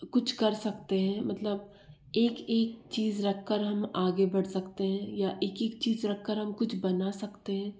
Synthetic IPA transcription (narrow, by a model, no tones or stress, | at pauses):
kʊt͡ʃʰkɐɾsɐkt̪eɦɛ̃mɐt̪ləb̚ | eːkeːk̚t͡ʃiːzɾɐkʰːəɾɦɐmaːɡebɐɽ̤sɐkt̪eɦɛ̃jaʔeːkeːk̚t͡ʃiːzɾɐkʰːəɾɦɐmkʊt͡ʃʰbɐnasɐkt̪eɦɛ̃ː